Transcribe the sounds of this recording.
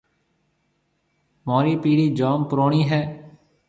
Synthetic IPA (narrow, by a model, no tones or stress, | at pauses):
moːɾiːpiːɽiːd͡ʒaːmpəɾoːɳiːɦɛː